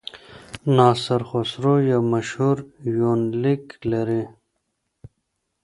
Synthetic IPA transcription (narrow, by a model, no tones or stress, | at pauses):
naːsɐɾxosɾojamɐɕhuɾjoːnliklɐɾe